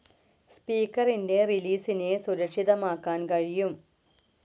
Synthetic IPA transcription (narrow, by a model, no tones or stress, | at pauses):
spiːkːɐrinde̞riliːsinesuɾɐkʂiðɐmaːkːaːnkɐɻijum